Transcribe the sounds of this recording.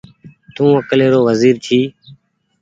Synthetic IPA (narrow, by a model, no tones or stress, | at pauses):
t̪ũːəkleːɾoːʋəziːɾt͡ʃ̪ʰiː